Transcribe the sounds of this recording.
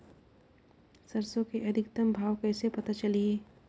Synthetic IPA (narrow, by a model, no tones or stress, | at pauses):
sɐɾsõkeʔɐd̪ʱɪkt̪əmbʱaːʋkɛːsepɐt̪at͡ʃɐlieː